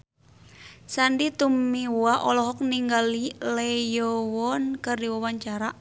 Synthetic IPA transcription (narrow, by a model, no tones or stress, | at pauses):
sandit̪umːiwwaʔɔlɔɦɔk̚niŋɡalilɛjɔwɔnkərdiwawaɲt͡ʃaɾaʔ